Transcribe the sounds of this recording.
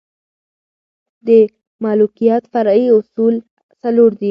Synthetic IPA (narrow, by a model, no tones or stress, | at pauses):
d̪ə | mɑlukijat̪faɾiʊsul | saloɾd̪i